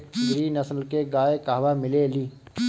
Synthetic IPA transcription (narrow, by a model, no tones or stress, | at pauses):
ɡɾiːnəsəlkeɡaːekaːʋaːmɪleːliː